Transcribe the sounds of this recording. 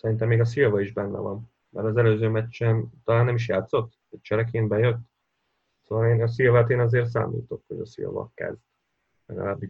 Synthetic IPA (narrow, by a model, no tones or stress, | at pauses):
sɛɾint̪ɛmːeːɡɒsilvɒiʒbɛnːɛ̰vɒn | mɛɾɒzɛløːzøːmɛt͡ʃːɛnt̪ɒlaːnːɛmiʃ̬jaːt̪so̞t̪ːɛct͡ʃɛɾɛkeːnbɛjøt̪ː | soːvɒleːnɒsilvɛt̪eːnɒzeːrt̪s̬a̰ːmḭːt̪o̞khoɟɒsḭlvɒ̰kɛ̰zd̪̥ | lɛ̰ɡɒ̰laːbːi